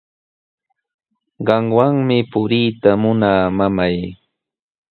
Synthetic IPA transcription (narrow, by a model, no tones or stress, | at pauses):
ɢɑŋwaŋmɪpʊɾiːt̪amʊnaːmamaj